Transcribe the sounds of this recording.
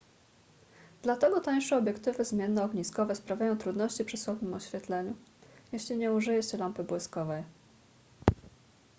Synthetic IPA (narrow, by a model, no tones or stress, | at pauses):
d̪̥lat̪ɛɡɔt̪aj̃ʂɛɔbʲjɛkt̪ɘvɘzmʲjɛnːɛɔɡɲiskɔvɛspɾavʲjajɔ̃w̃t̪ɾud̪nɔɕt͡ɕipʂɘswɔvnɘmɔɕfʲjɛt̪lɛɲujɛɕlʲiɲɛuʐɘjɛt͡ɕɛlampɘbwɘskɔvɛj